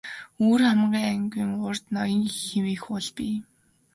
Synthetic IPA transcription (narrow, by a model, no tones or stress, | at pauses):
oːrχamɢiːŋæŋɡʲiːŋɢʊrt̪nɔjɞ̆ŋxemeːxʊɮpiː